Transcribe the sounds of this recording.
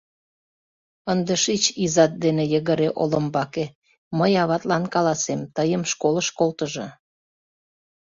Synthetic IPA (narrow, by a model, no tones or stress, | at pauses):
ənd̪əʃit͡ɕizɑt̪̚d̪enejəɣəɾeʔolə̆mbɑke | məjɑβɑt̪lɑnkɑlɑsemt̪əjəmʃkoləʃkolt̪əʒɤ̆